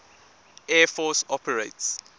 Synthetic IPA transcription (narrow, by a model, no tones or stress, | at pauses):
ɛfɔsɔpəɹets